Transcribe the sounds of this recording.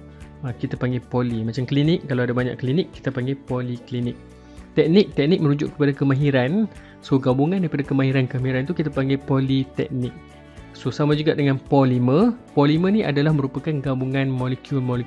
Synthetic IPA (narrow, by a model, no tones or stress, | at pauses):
əkit̪apaŋɡɛpolimat͡ʃamklinɪk̚kːalawadabaɲa̰ʔklinɪkːi̥t̪apaŋɡɛpoliklinɪk̚ | t̪ɛk̚nɪk̚t̪ɛk̚nɪk̚mə̃ɾud͡ʒʊ̰ʔkə̥padakəmãɦiɾan | soɡabuŋandaɾipadakəmãɦiɾankəmaɦiɾant̪ukit̪apaŋɡɛpolit̪ɛ̰k̚nɪk̚ | sosamad͡ʒuɡaʔdəŋãnpɔlimə̃polimə̃niʔa̰dalahmə̃ɾupakanɡabuŋãnmɔlɛkjulmɔli